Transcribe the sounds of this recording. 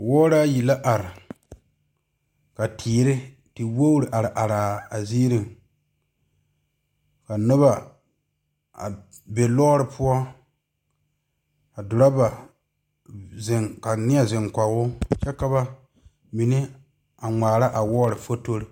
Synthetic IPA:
wɔː˦ɾa˦ji˨la˦ʔa˨ɾɪ˨ | ka˨tʰiː˨ɾɪ˦ | ti˨wo˦ɾɪ˨ʔa˨ɾɪ˨ʔa˨ɾa˨a˨ziː˦ɾi˨ŋ | ka˨nʊ˦βa˨ | a̰˨ | be˨lɔː˦ɾɪ˨pʰʊ˦ɔ˦ | ka˨dʊ˨ɾa˦ba˨ | zɪ˨ŋka˨nɪ˦ɛ˨zɪ˨ŋka˨˦wʊ˦t͡ʃɛ˦ka˦ba˦ | mi˨nɪ˦ | a˨ŋ͡maː˨ɾa˦ʔa˨wɔː˦ɾɪ˨fo˦to˦ɾɪ˦

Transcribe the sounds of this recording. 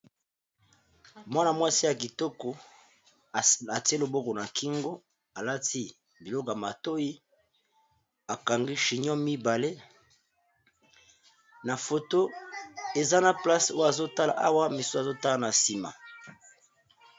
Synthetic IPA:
mwa˦na˨mwa˦si˦ja˨ki˨tɔ˦ko˨ | a˨ti˦e˦lo˨bo˦ko˨na˨ki˦ŋɡo˦ | a˨la˦ti˦ | bi˨lɔ˦ko˨ja˨ma˨to˦ji˦ | a˨ka˨ŋɡi˦ʃi˨ɲɔ̃˦mi˦ba˨le˦ | na˨fo˨to˦e˨za˦na˨pla˦so˦ja˨zo˦ta˦la̰˨ʔa˦wa˦mi˨so˦a˨zo˦ta˦la˨na˨si˨ma̰˨

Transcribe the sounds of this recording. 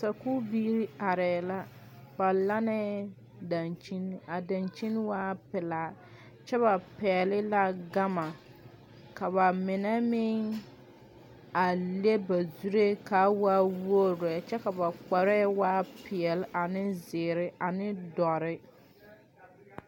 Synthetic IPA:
sa˨ku˦biː˦ɾi˦a˨ɾɛː˨la˦ | ba˨la˦nɛ˦ | da˨nt͡ʃi˦na˨da˨nt͡ʃi˦nwaː˦pɪ˨laː˨˦˨ | t͡ʃɛ˦βa˨pɛ˨ɛ˨lɪ˦la˦ɡa˦ma˨ | ka˨βa˨mɪ˨nɛ˦mɪ˦ŋ | a˨le˦ba˨zu˦ɾe˦ka˦waː˦wo˦ɾɛ˨t͡ʃɛ˦ka˨ba˨k͡pɔ˨ɾɛ˦waː˦pɪ˨ɛ˨lɪ˦ʔa˨nɪ˦zɪː˨ɾɪ˦ʔa˨nɪ˦dɔ˨ɾɪ˦

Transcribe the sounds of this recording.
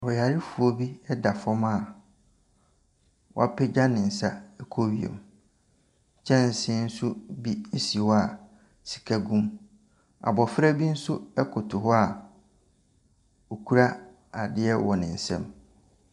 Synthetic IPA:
ɔ˨a˨ɾɪ˦fu˨o˦bi˦ɛ˦da˨fɔ̃˦ma˦˨ | wɔ̰˦a˦pɪ˦d͡ʑa˦nɪ̃˨n̩˨sa˦ɛ˦kʰo˦ɥi˨ḛ˨m | t͡ɕʰɛ̃˦n̩˨sɪ̃˦n̩˦sʊ˦bi˦n̩˦si˨wɔ˦a˨ | si̥˨kʰa˦ɡũ˦m | a̰˨bɔ˨fɾa˦bi˦n̩˦sʊ˦ɛ˦kʰʊ˨tʰʊ˨hɔ˦a˨ | o˨kʰu˦ɾa˦ | a˨dɪ˦ɛ˦wɔ˨nɪ̃˨n̩˨sɛ̰̃˦˨m

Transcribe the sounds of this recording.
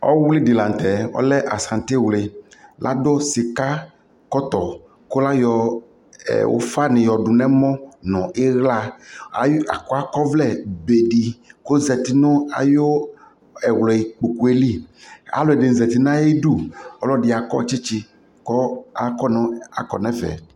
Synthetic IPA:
ɔ̰˦wlɪ˦di˨lã˨n˨t̪ɛ˨ɔ̰˦lɛ˦ʔa˨sã˨n˨t̪e˦˨wle˨lʔa̰˦do˦sɪ˨ka˦ | kɔ˦t̪ɔ˨ | ko˦la˦jɔ˨ | ɛ̰˨wo̰˨˦fa˦nɪ̃˨jɔ˨ɖu˨nɛ̃˦mɔ̃˦nɔ̃˨ʔe˦ɣla˦˨ja˨kɔ˦a˦kɔ˦vlɛ˦˨be˨ɖi˨ko˦zɛ˨t̪i˨nʊ̃˦a̰˨jo˦ | ɛ˨wlɔ˨i˨k͡po˨ku˦e˦li˦˨a̰˨lo˨ɛ˨ɖe˨zɛ˨t̪i˨nã˦e˦ɖu˦ɔ˦lɔ˦ɖɪ˨a˨kɔ̰˦t͡ʃi˦t͡ʃi˦ | kɔ˦a˦kɔ˦n˦a̰˨kɔ̰˨nɛ̃˦vɛ̰˨

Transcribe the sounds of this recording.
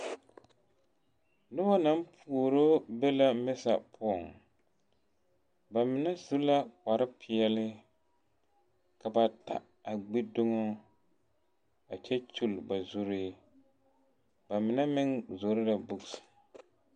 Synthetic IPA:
nʊ˦ba˦na˦m˦pʰu˨o˨ɾo˦bɛ˦la˦mɛ˦sa̰˨pʰʊ˦ɔ˨ŋ | ba˨mɪ˨nɛ˦zu˦la˦k͡pa˨ɾɪ˦pʰɪ˨ɛ˨lɪ˦ | ka˨ba˨ta̰˨ | a˨ɡ͡bi˦dʊ˦ŋo˦ | a˨t͡ʃɛ˦t͡ʃu˦˨lba˨zʊ˦ɾi˦ | ba˨mɪ˨nɛ˦mɪ˦ŋzo˨ɾɪ˦la˨bʊ˦ɡs

